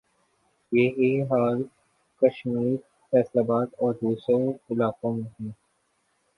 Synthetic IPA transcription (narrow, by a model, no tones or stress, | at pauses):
jeɦiɦaːɾ | kɐʃmiːɾ | fɛːslaːbaːt̪ɔːɾd̪uːsɾoɪlaːkõmẽɦɛ̃ː